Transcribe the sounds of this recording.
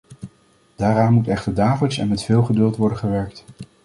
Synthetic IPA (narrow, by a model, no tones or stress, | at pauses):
d̥aːɾaːnmutɛχtəɹdaːvɪtsɛ̰nmɛtfɪːlˠχədɵlˠtʋɔɹdənχəʋɛɹk̚t